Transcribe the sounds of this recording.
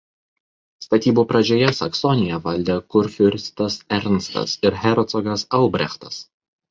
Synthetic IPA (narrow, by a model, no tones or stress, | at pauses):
st̪ɐt̪ʲiːbuːpɾɐd͡ʒʲoːjɛsɐksɔnʲɪjɛʋɐlʲd̪ʲekʊɾʲfʲʊɾʲst̪ɐsɛɾʲnst̪ɐ̰sɪɾɦʲɛɾɔt̪sɔɡɐsɐlˠbʲɾʲɛ̰xt̪ɐs